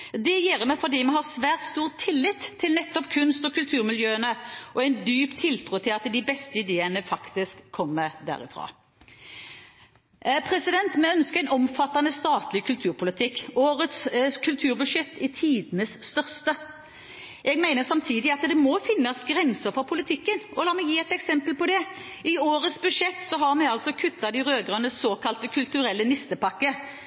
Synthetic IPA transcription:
d̪ɛjeːʁəmɛfɔʁd̪iːmɛhɑsʋæːʁt̪st̪uːʁt̪ʰːɪlːɪt̪ʰːɪlnɛt̪ːɔpkʰʉnst̪ɔkʉlt̪ʰʉːʁmɪljøːənəʔɔɛɪnd̪yːpt̪ʰːɪlt̪ʰʁuːt̪ʰɪlɑt̪d̪ɪbɛst̪əɪd̪eːənəfɑkt̪ɪskʰːɔmːəd̪æ̰ːʁɪfʁɑ̰ː | pʰʁɛsɪd̪ɛnt̪mɛœnskəʁæɪnɔmfɑt̪ːɑnəst̪ɑːt̪lɪkʰʉlt̪ʰʉːʁpʰʊlɪt̪ʰɪkːoːɾət̪sskʰʉlt̪ʰʉːʁbʉʂjɛt̪ːɪt̪ʰiːd̪ənəsst̪œʁst̪ə | ʔɛɡmæɪnəsɑmt̪ʰiːd̪ɪɑt̪d̪ɛmɔfɪnːɑsɡɾɛnsəfɔʁpʰʊlɪt̪ʰɪkːənʔɔlɑːmɛɡjiːɛɪt̪ɛksɛmpəlpɔd̪ɛ | ʔɪoːɾət̪sbʉʂɛt̪ːsɔɦɑʁmɛɡɑlsɔkʰʉt̪ːɑd̪ɪʁøːɡʁɑnəssoːkʰɑlt̪əkʰʉlt̪ʉɾɛlːənɪst̪əpɑkːə

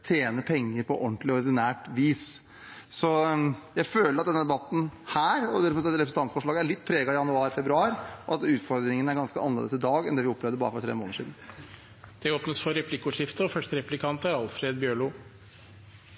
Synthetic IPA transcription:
t̪ʰjeːnəpʰɛŋːəɾpʰɔʔɔnt̪lɪɔɾd̪ɪnæːʈʋiːs | sɔjæɪføːləɾɑt̪̚d̪ɛnːəd̪ɛbɑt̪n̩hæːɾɔd̪æɾfɔɑt̪ɾɛpʰɾsn̩t̪ɑnt̪fɔʂɭɑːɡəæɭɪt̪ːpʰɾeːɡɑɪjɑnʉɑːɾfɛbɾʉɑːɾʔɔɑt̪ʉːt̪fɔɾd̪ɾɪŋənæɾɡɑnskəʔɑnlḛːd̪əsɪd̪ɑːɡɛ̰nd̪ɛːʋɪɔpʰːɾəːʋd̪əbɑ̰ːɾəfɔɾt̪ʰɾḛːmo̰ːnəʂiːd̪n̩ | d̪̥ɛoːpnəsfɔɾɛpʰlɪkːʊʂɪft̪əɔfœʂʈəɾɛplɪkʰɑnt̪æɾɑlfɾeːd̪bjøːɭuː

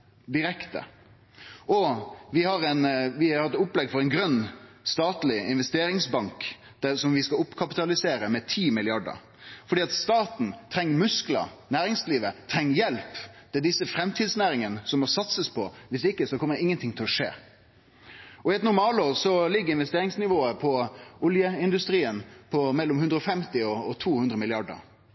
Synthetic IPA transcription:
d̪ɪɾɛkt̪ə̰ | ʔɔʋɪhɑɾɛnʋɪɑɾɛt̪ʊplɛɡfɔɾɛɪnɡɾœnːst̪ɑːt̪lɪɪ̰nʋɛst̪eːɾɪŋsbɑŋk | d̪̥ɛsɔmʋɪskɑʊpːkʰɑpɪt̪ɑlɪseːɾəmɛt̪ʰiːmɪlɪɑɖə̰ɾ | fɔɾɖiːɑt̪st̪ɑːt̪n̩t̪ʰɾɛŋːəmʉsklɑ̰næːɾɪŋsliːʋət̪ʰɾɛŋːəjɛlpd̪̥ɛd̪ɪsːəfɾɛmt̪ʰiːd̪snæːɾɪŋənəsɔmːɔsɑt̪səspʰɔʋɪsɪkːəsɔkʰɔmːəɪŋːənt̪ʰɪŋt̪ʰɛlɔʂḛː | ɔɪɛt̪nʊɾmɑːloːɾsɔlɪɡːəɾɪnʋɛst̪eːɾɪŋsnɪʋoːəpʰɔʊljəɪnd̪ʉst̪ɾiːənpʰɔmɛlːɔmhʉnd̪ɾəɔfɛmt̪ɪɔɔt̪ʰuːhʉnd̪ɾəmɪlɪɑɖə̰ɾ

